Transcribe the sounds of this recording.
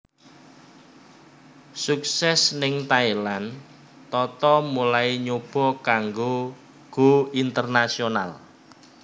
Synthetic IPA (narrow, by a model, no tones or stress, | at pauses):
suk̚sɛsnɪŋt̪ailan | t̪ɔt̪ɔmulaiɲob̥ɔ̤kaŋɡo | ɡ̥o̤int̪ərnasiona̰l